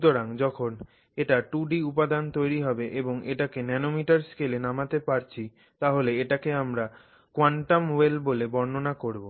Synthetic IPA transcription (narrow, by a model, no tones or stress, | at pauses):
t̪oɾaŋd͡ʑɔkʰon | eʈaʈuɖiupad̪ant̪ojɾiɦɔbeʔeboŋeʈakenɛnomiʈaɾskelenamat̪epaɾt͡ɕʰi | t̪aɦoleeʈakeamɾa | kwaɳʈamwelbolebɔɾnonakoɾbo